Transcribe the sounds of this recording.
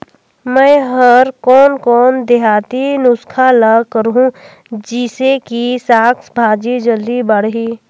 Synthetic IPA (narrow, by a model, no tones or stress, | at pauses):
mɛ̃ːɦəɾkɔːnkɔːnd̪eɦaːt̪inʊskʰalakəɾɦũ | d͡ʒisekisaːksbʱaːd͡ʒid͡ʒəld̪ibəɽ̤ɦiː